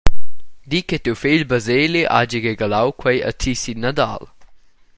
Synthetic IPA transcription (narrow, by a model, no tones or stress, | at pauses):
d̪iket̪uwfeʎbəzeːliʔa̰d͡ʒiɣeɡalawkʰwɛjə̰tʰisinad̪a̰l